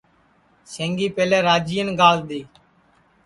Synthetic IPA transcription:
sẽːŋɡiːpeːleːɾaːd͡ʒiːənɡaːld̪iː

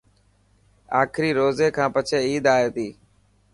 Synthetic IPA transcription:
aːkʰɾiːɾoːzeːkʰãːpət͡ʃʰeːiːd̪aːeːt̪iː

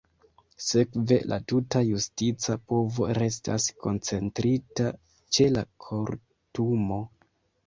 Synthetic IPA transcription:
se̞kve̞lʔa̰tutajustit͡sapo̞vo̞ɾe̞sta̰sko̞nt͡se̞ntɾita | t͡ʃe̞lakʰo̞ɾ | tumo̞

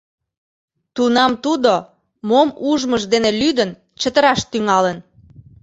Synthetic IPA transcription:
t̪unɑmt̪ud̪o | momuʒməʃd̪enelyd̪ən | t͡ɕət̪əɾɑʃt̪yŋɑlən

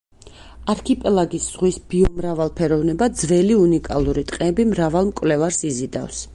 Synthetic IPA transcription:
aɾkʰipʼɛlˠaɡisz̥ʁwisbiɔmɾavalˠpʰɛɾɔvnɛbad̪zvɛliunikʼalˠuɾit̪ʼqʼɛbimɾavalˠmkʼwvlɛvaɾsizid̪a̰fs

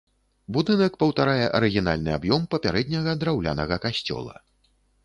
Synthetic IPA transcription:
bud̪ɨnɐkpɐwt̪aɾajɛʔɐɾɨɣʲin̪a̰lʲnɨa̰bjɔmpɐpʲaɾɛd̪ʲnʲɐɣɐd̪ɾawlʲa̰nɐɣɐkasʲt͡sʲɔ̰lˠɐ̰

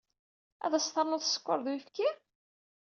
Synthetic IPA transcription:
æ̰ðæst̪ɑɾˤnʊθsə̥kʷːoɾˤðwifki

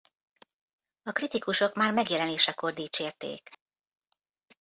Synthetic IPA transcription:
ɒkrit̪ikuʃo̞kmaːrmɛɡjɛlɛneːʃɛko̞rd̪iːt͡ʃeːrt̪ḛːk

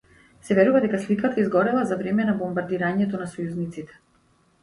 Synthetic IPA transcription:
sɛvɛɾuvad̪ɛkaslikat̪aizɡɔɾɛlˠazavɾɛmɛnabɔmbaɾd̪iɾaɲɛt̪ɔnasɔjuznit̪sit̪ɛ̥

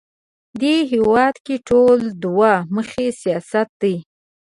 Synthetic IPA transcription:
d̪eɦewɑd̪keʈʰold̪wɑməxesijɑsat̪̚d̪əj

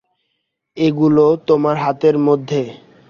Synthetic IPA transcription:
eɡulot̪omaɾɦat̪eɾmod̪ʱːe

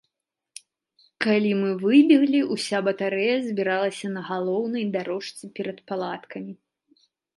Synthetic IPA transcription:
kalʲimɨvɨbʲiɣlʲiusʲabɐt̪aɾɛjɐzʲbʲiɾalˠɐsʲɐnɐɣalˠɔwnɐjd̪aɾɔʂt͡sʲɛpʲɛɾɐt̪palˠat̪kɐmʲi

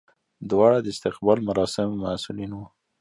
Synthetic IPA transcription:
d̪wɑɽad̪əɪst̪ɪqbɑlmaɾɑsɪmmasulinwu

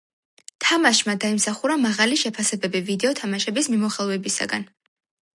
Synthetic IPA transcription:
t̪ʰamaʃmad̪aimsaχuɾamaʁaliʃɛpʰasɛbɛbivid̪ɛɔt̪ʰamaʃɛbismimɔχɛlˠvɛbisa̰ɡa̰n

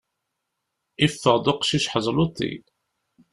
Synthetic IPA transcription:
ifːəʁd̪oqʃiʃħəzˤlut̪ˤːḭ

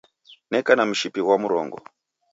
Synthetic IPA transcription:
nɛkanamuʃipiɣwamuɾɔ̰ŋɡɔ̰

